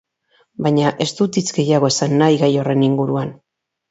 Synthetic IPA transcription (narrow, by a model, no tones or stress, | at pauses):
bajɲaʔe̞st̪ut̪it͡sɡe̞jaɣ̞o̞e̞sanːajɣajo̞re̞niŋɡuɾuan